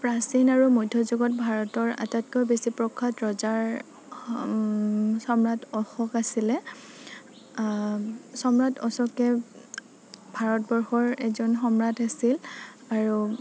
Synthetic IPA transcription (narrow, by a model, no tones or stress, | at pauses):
pɹasinaɹumojdʱɔzuɡɔt̚bʱaɹɔtɔɹa̰tat̚kɔjbesipɹɔkʰːatɹɔzaɹ | sɔmɹatʰɔxɔkasilɛ | sɔmɹatʰɔ̰sɔkɛ | bʱaɹɔtbɔɹxɔɹɛzɔnxɔmɹatasil | aɹu